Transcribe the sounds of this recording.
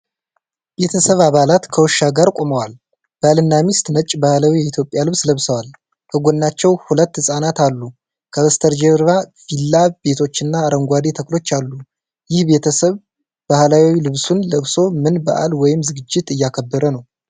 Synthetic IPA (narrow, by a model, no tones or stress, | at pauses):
be̞t̪ʰəsəβaβalat̪kʰəwɔʃːaɡaɾkʷʼo̞məwal | b̥əalɨnːamist̪nət͡ʃʼːbahlawijɛit̪ʰjo̞pʼːjalɨβsləβsəwal | kʰəɡʷonːat͡ʃːɛwhulət̪ːhɨsʼanat̪alːu | kʰəβəst̪ʰəɾd͡ʒeɾβafilːabe̞t̪ʰo̞t͡ʃːɨnːaːɾəŋɡʷad̪et̪ʰəklo̞t͡ʃːalːu | jɪhbe̞t̪ʰəsəβ | bahlawwilɨβsunləβso̞mɨnbə̰ʔa̰lwɔjɪmzɨɡɨd͡ʒːɪt̪ɨjːakʰəbːəɾənəw